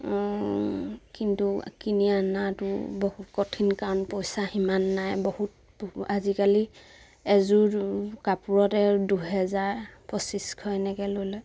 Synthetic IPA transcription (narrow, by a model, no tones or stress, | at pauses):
kintukinianatʊ̰bɔhut̚kɔtʰinkaɹnpojsahimanːajbɔhut̚ | bazikali | ɛzuɹkapuɹɔtɛduɦɛzaɹpɔsiskʰɔɛnɛɡɛlojlɔ